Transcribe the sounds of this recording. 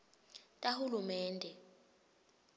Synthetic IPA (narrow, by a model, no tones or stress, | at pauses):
tʼahulumɛːndʱɛ